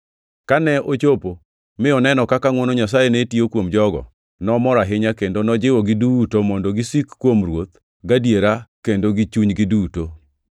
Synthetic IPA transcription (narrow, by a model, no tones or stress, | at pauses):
kanɛʔot͡ʃopo | mɪɔnɛnɔkakaŋwɔnɔɲas̬ajenetiokwomd͡ʒɔɡɔ̰ | nɔmɔɾaɦɪɲakendonɔd͡ʒɪwɔɡɪdutomɔndɔɡɪsikːwomɾwot̪̚ | ɡadjeɾakendoɡɪt͡ʃuɲɡɪduto